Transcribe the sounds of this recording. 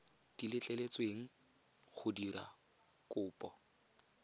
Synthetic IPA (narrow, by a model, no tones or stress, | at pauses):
d̥ilɪt͡ɬʼɛlet͡sweŋ̩ | χʊdiɾa̰ | kʊːpʼɔ